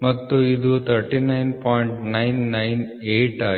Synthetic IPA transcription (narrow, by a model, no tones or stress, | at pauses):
mɐt̪ːuid̪ut̪ʰɐɾʈinɐjnpɔːjiɳʈnɐjnːɐjn | eːʈaː